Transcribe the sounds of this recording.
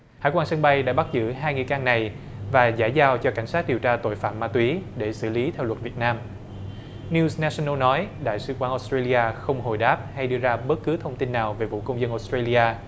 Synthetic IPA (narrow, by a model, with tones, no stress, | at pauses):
ha̰ː˧˥jkwaː˧nsə˧ŋɓa˧jɗa̰ː˧˥ɓa˦˥t̚zɨ̰˧˥ɦaː˧jŋɨ̰˨˧˨jkaː˧ŋna˨˩j | vaː˨˩zaː˧˩jzaː˧wt͡ɕɔ˧ka˧˩jŋ̟saː˦˥t̚ɗi˨˩əwt͡ɕaː˧t̪o̰˧˨jfaː˧˩mːaː˧t̪wi˨˦ɗe˧˩sɨ̰˧˩li˨˦t̪ʰɛ˧wlwə˨˩t̚vi˨˩ət̚naː˧m | ni˧sna˧si˧nə˧nɔ˨˦jɗa̰ː˧˨jsɨ˧kwaː˨˦nʔɔ˧˦˥stɹe˧li˧ʔaː˧xə˧wŋ͡mho˨˩jɗaː˦˥p̚ha˧jɗɨ˧əzaː˧ɓə˦˥t̚kɨ˨˦t̪ʰə˧wŋ͡mt̪i˧nːaː˨˩wve˨˩vṵ˧˨kə˧wŋ͡mzə˧nʔo˧˦˥stɹe˧li˧ʔaː˧